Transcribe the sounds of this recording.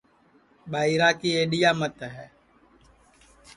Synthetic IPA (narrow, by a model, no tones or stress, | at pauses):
ɓaːiɾaːkiːeːɗijaːmət̪ɦɛː